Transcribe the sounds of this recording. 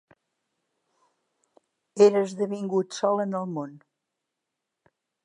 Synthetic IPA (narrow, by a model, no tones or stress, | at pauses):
eɾəzðəβiŋɡut̪sɔlˠənəlˠmon